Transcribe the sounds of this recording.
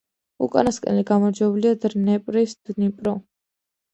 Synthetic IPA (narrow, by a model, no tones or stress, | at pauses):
ṵkʼa̰naskʼɛ̰nliɡamɔɾd͡ʒwɛbuliad̪ɾnɛpʼɾisd̪̥nipʼɾɔ